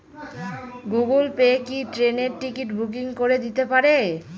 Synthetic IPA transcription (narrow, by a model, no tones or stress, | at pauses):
ɡuɡulpekiʈɾeneɾʈikiʈbʱuk̬iŋkoɾed̪it̪epaɾe